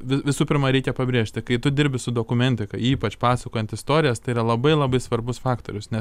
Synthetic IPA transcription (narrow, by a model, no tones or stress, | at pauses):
ʋʲɪʋʲɪsuːpʲɪɾmɐɾʲɛɪkʲɛpɐbʲɾʲeːʃʲt̪ʲɪkɐɪt̪ʊd̪ʲɪɾʲbʲɪsʊd̪oːkʊmʲɛnʲt̪ʲɪkɐɪiːpɐt͡ʃpɑːsɐkoːjɛnt̪ɪst̪oːɾʲɪjɛst̪ɐɪiɾɐlˠɐbɐɪlˠɐbɐɪsʋɐrbʊsfɑːkt̪oːɾʲʊsnʲɛs